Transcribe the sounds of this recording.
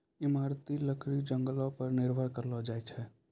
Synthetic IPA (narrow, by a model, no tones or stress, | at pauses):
imaɾt̪iləkʰɾid͡ʒəŋɡəlɔpəɾniɾbʱəɽkəɾlɔd͡ʒajt͡ʃʰɛ